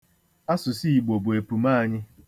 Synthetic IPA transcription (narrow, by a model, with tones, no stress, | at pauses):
a˦sʊ˨si˦i˨ɡ͡bo˨bʊ˨e˨pu˨maː˦˨ɲɪ˦